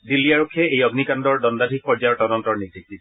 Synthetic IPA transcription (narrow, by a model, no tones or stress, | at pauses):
dilːiaɹokʰːɛejɔɡnikandɔɹdɔndadʱik̚pɔɹd͡ʒajɔɹtɔdɔntɔɹniɡdʱik̚di